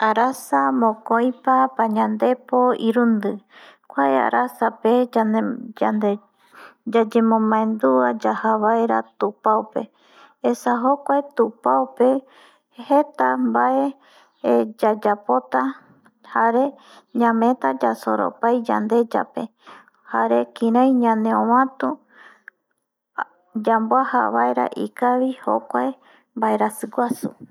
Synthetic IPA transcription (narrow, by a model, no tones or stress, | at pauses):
aɾasamõkoj̃papaɲãnd̪e̞poiɾund̪ɨkʷaea̰ɾasape̞ | a | d͡ʒad͡ʒẽmõmãẽnd̪uad͡ʒahaβaeɾat̪upaope̞̰ | esaɦokʷaet̪upaope̞ | he̞t̪ambae̞ | d͡ʒad͡ʒapo̞t̪a | haɾe̞ | ɲãmẽ̞t̪ad͡ʒaso̰ɾo̰pajd͡ʒa̰nd̪e̞d͡ʒa̰pe̞ | haɾe̞kĩɾãj̃ɲãnẽõwãt̪u | d͡ʒamboaha̰βa̰eɾa̰ʔikaβiho̰kʷae | mbaeɾasɨɡʷasu